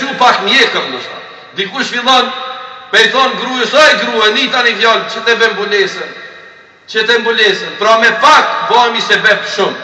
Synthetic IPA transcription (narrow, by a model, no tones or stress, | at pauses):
upakmjɛkəmləʃt̪ɔ̰ | d̪ikuʃfilˠɔnpɛjθɔnɡɾuəsɔɛɡɾuɛnit̪anivjɔlt͡ʃət̪ɛvɛmbulɛsən | t͡ʃət̪ɛmbulɛsənpɾɔmɛpak̪bɔamisɛbɛt̪ʃʊm